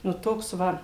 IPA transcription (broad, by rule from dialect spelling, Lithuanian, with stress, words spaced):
nʊ ˈtoːks ˈʋɐ